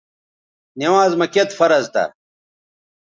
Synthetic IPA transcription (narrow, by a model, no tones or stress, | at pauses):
niwaːzmɐket̪fɐɾɐzt̪ɐ̰